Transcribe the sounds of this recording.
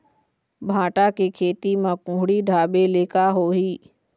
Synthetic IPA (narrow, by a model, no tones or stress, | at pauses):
bʱãːʈakekʰeːt̪imãkʊ̃ːɦɪɽiɖʱaːɓeleːkaɦoːɦiː